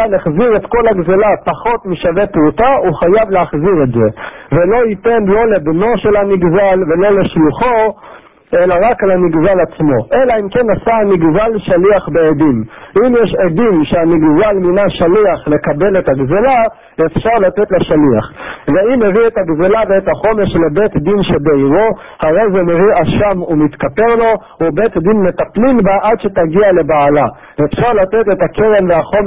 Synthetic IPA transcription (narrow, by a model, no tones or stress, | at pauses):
aneχziʁe̞t̪kolaɡzelapaχo̞tmiʃavepʁutauχajavleaχziʁe̞tze̞velo̞ite̞nlo̞le̞bno̞ʃe̞lhaniɡzalve̞lo̞le̞ʃluχo̞ | ʔe̞laʁakalaniɡzalat͡smo̞ʔe̞laimke̞nasaaniɡzalʃaliaχbeedimimjeʃedimʃeaniɡzalminaʃaliaχle̞kabe̞let̪aɡzela | efʃaʁlat̪et̪laʃaliaχveimːeviet̪aɡzelaveet̪haχo̞meʃlebe̞t̪d̪inʃe̞beiʁo̞ | haʁe̞jzemeviʔaʃamumit̪kape̞ʁlo̞ | ube̞t̪d̪inme̞t̪aplimbaʔad̪ʃe̞t̪aɡiale̞baːla | efʃaʁlat̪etetake̞ʁe̞mveaχo̞m